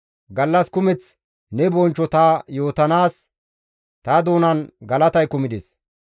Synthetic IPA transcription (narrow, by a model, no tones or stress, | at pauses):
ɡɐlːɐskʊmɛt͡s | nɛbɔnt͡ʃːɔt̪aːjo̞ːt̪ɐnaːs | t̪ɐd̪oːnɐnɡɐlɐt̪ɐjkʊmɪd̪es